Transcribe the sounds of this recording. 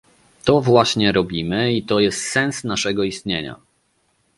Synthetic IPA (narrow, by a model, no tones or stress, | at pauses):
t̪ɔvwaɕɲɛɾɔbʲimɘit̪ɔjɛst̪sɛnsnaʂɛɡɔist̪ɲeɲa̰